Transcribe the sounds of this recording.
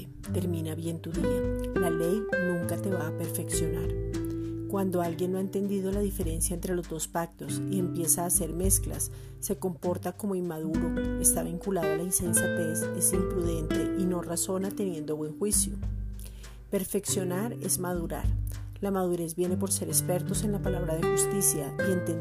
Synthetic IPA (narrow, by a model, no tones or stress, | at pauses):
t̪e̞ɾmĩnaβje̞nt̪uðialale̞jnũŋkat̪e̞βaːpe̞ɾfe̞ksjo̞naɾ | kwand̪o̞alɡje̞noaent̪e̞nd̪iðo̞laðife̞ɾe̞nsjaent̪ɾe̞lo̞zd̪o̞spak̚t̪o̞sie̞mpje̞saːse̞ɾme̞skla̰sː | e̞ko̞mpo̞ɾt̪ako̞mo̞inmaðuɾo̞e̞st̪aβiŋkulaðoalainse̞nsjapesesimpɾuðe̞nt̪e̞ʔino̞raso̞nat̪e̞nje̞nd̪o̞βwe̞ŋxwisjo | pe̞ɾfe̞ksjo̞naɾe̞̰zmað̞uɾa̰ɾlamaðuɾe̞zbje̞ne̞po̞ɾse̞ɾe̞spe̞ɾt̪o̞se̞nlapalaβɾaðe̞xust̪isjaient̪e